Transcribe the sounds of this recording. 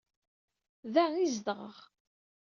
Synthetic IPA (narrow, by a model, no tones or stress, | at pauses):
ðæizd̪ʁə̰ʁ